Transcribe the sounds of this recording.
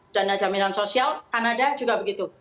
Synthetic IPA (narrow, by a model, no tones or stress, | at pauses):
d̥anad͡ʒaminansosialkanadad͡ʒuɡabəɡit̪u